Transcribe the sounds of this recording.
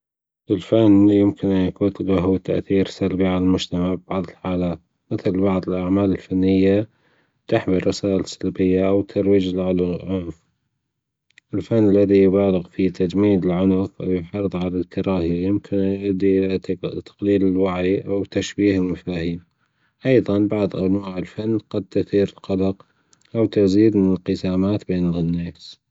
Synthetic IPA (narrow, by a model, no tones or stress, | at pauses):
ʔɪlfanːjɪmkɪnʔanjakuːt̪laɦt̪ʰa̰ʔθiːɾsalbiʕalalmʊd͡ʒt̪amaʕbb̥ɑʕðˤɪlħaːlaːt̪ | mɪθlbɑʕðˤəlʔaʕmaːlɪlfanːɪjːa | t̪ɪħbirˤɑsaːʔɪlsalbɪjːaʔawt̪ʰɑɾˤwiːd͡ʒɪlʕʊllʕʊnf | ʔɪlfanːalːaðijbaːlɪɣfit̪ʰad͡ʒmiːd̪ɪlʕʊnfʔawjɪħɑɾðˤʕalalkɑɾˤɑːhijɪmkʰɪnʔaʔd̪iʔɪʔt̪ibt̪ḁqliːlɪlwaʕiʔawt̪aʃbiːhɪlmafaːhiːm | ʔɑjðˤɑnbɑʕðˤʔanwaːʕɪlfanːqɑd̪̚t̪ʊθiːɾɪlqɑlɑq | ʔawt̪aziːd̪mɪnɪlqɪsaːmaːt̪beːnɪlnːaːs